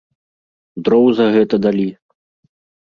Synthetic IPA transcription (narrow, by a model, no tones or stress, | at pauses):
d̪ɾɔwzɐɣɛt̪ɐd̪alʲi